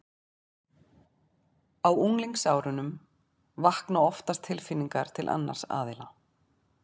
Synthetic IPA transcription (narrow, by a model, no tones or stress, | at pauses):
awuŋliŋksaːwɾʏnʏm | vahknaɔft̪ast̪ʰɪlfɪnːiŋkaɾ̥t̪ʰɪlʔa̰nːa̰ɾ̥sa̰ːðɪla